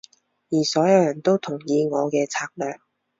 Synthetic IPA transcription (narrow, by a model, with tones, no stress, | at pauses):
jiː˨˩sɔː˨˥jɐ˨˧wjɐ˨˩nt̪o˥wt̪ʰʊ˨˩ŋjiː˨˧ŋɔː˨˧kɛː˧t͡sʰaː˧k̚lœː˨k̚